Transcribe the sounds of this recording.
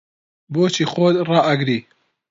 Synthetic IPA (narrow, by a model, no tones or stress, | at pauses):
boːt͡ʃʰiːxod̪rɑːʔɐɡɾiː